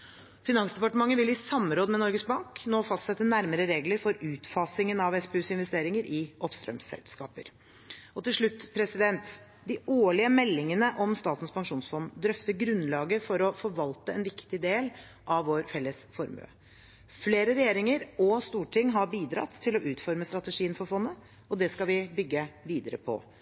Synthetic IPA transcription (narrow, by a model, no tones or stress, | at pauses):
fɪnɑnsd̪ɛpɑʈəmɑŋːəʋɪlɪsɑmɾoːd̪əmɛnɔɾɡəs̚bɑŋknoːfɑst̪sɛt̪ːənæɾməɾəɾeːɡləɾfɔɾʉːt̪fɑsɪŋənɑʋɛspɛʉːsɪnʋɛst̪eːɾɪŋəɾʔɪɔpst̪ɾœ̰msɛ̰lskɑ̰ːpə̰ɾ | ɔt̪ɪlʂɭʉt̪ːpʰɾɛsɪd̪ɛnt̪ | d̪ɪoːɭɪəmɛlːɪŋənəʔɔmst̪ɑːt̪n̩spʰɑŋʂuːnsfɔnd̪ɾœft̪əɾɡɾʉnːlɑːɡəfɔɾɔfɔɾʋɑlt̪əɛnʋɪkt̪ɪd̪eːl | ʔɑʋʋoːɾfɛlːəsfɔɾmø̰ː | fleːɾəɾɛjeːɾɪŋəɾɔst̪uːʈʰɪŋːɦɑɾbiːd̪ɾɑ̰t̪ʰːɪlɔʔʉːt̪fɔɾməst̪ɾɑt̪əʂiːənfɔɾfɔnːə | ɔd̪ɛskɑlʋɪbʏɡːəʋiːd̪əɾə̰pʰɔ̰